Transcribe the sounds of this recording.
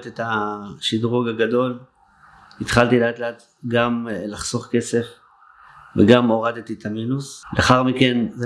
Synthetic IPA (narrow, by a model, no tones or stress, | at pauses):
t̪et̪aʃid̪ʁuɡaɡad̪o̞l | it̪χalt̪ileat̪leat̪ | ɡamlaχso̞χke̞se̞f | veɡamo̞ʁad̪et̪it̪ʰaminusleaχaʁmike̞n